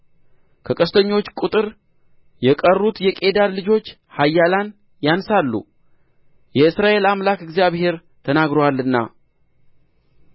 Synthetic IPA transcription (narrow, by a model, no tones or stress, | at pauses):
kʰəkʼəst̪ʰəɲːo̞t͡ʃːkʼut̪ʼɨɾ | jɛkʼərːut̪jɛkʼe̞d̪allɨd͡ʒo̞t͡ʃː | hajːalan | jansalːṵ | jɛɨsɾaʔe̞lamlakɨɡzijaβhe̞ɾ | t̪ʰənaɡɾowalːɨnːa̰